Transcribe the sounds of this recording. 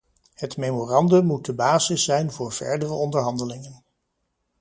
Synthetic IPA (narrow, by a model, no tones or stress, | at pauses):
hətmejmorɑndəmːut̚dəbaːzɪsːɛjnvʊːɹv̥ɛ̰ɹdərəɔndəɹɦɑndəlɪŋən